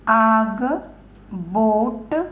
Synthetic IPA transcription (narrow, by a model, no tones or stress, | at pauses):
aːɡɨ | boːʈːɨ